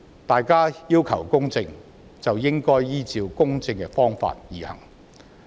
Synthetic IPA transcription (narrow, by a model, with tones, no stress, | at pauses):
t̪aː˨jkaː˥jiː˥wkʰɐ̰˨˩wkʊ˥ŋt͡sɪ˧ŋ | t͡sɐ˨wjɪ˥ŋkɔː˥jjiː˥t͡siː˧wkʊ˥ŋt͡sɪ˧ŋkɛ˧fɔː˥ŋfa̰ː˧t̚jiː˨˩hɐ̰˨˩ŋ